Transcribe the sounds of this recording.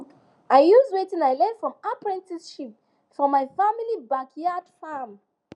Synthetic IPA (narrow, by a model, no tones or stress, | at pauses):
aɪjuzɹitĩnaɪlɛ̃nfɹɔ̃mapɹɛ̃ntisʃip̚ | fɹɔ̃maɪfamilibakʰjad̥fam